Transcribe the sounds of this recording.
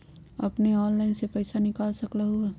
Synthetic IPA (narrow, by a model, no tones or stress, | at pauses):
ɐ̰pneɔːnlaːɪnsepɐjɪsanɪkaːlsɐklaɦuaː